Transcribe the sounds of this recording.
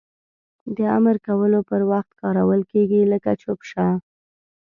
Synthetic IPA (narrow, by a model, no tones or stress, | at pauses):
d̪əa̰məɾkawəlopəɾwaxt̪kɑɾawəlkeɡiləkat͡ʃopʃa